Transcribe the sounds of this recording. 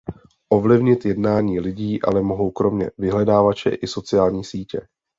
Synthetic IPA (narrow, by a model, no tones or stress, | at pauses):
ʔo̞vlɪvɲɪt̪jɛdnaːɲiːlɪɟiːʔa̰lɛmo̞ɦo̞wkɾo̞mɲɛ̰vɪɦlɛdaːvat͡ʃɛ̰ʔɪso̞t͡sɪaːlɲiːsiːcɛ̰